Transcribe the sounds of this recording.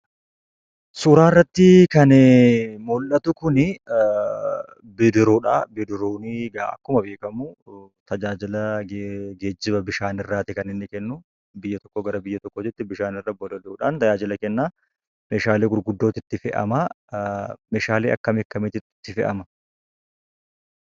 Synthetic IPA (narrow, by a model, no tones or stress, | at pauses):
suːɾaːrːɐt̪ːɪkɐn | mɔlʔɐt̪ʊkʊnɪ | bɪd̪ɪɾoːᶑa̰ːbɪd̪ɪɾoːnɪɡaːɐ̰kːʊmɐbe̞ːkɐmʊt̪ɐd͡ʒaːd͡ʒɪlɐɡɡeːd͡ʒːɪbɐbɪʃaːnɪrːaːt̪ɪkɐnɪnːɪkɛnːʊ | bɪjːɐt̪ɔ̥kːoɡɐɾɐbɪjːɐt̪ɔkːoːd͡ʒɛt̪ːɪbɪʃaːnɪrːɐbɔlɐlːᶑaːnt̪ɐd͡ʒaːd͡ʒɪlɐkɛnːaː | meːʃaːleːɡʊɾɡʊd̪ːoːt̪ɪt̪ːɪfɛʔɐ̰mɐ | meːʃaːleːɐkːɐmɪkːɐmɪt̪ɪɪt̪ːɪfɛ̰ʔɐmɐ